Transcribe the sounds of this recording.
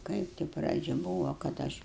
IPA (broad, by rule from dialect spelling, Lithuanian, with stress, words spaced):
ˈkɐɪp tʲɪ ˈprɑːd͡ʒʲɛ buːʋoː kɐt ˈɐʃ